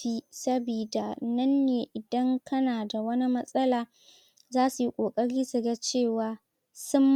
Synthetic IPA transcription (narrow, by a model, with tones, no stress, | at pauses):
iː˦sɐ˦biː˨da˨nɐ˦nːeː˨ʔɪ˨dɐ˦ŋkʰɐ˦naː˨da˨wɐ˦ni˦mɐ˦sʼɐ˦laː˨ | zaː˦su˨ji˦kʷʼoː˨kʼɐ˦ɽiː˦su˨ɡa˦t͡ʃeː˦˨waː˨ | sʊ˦mː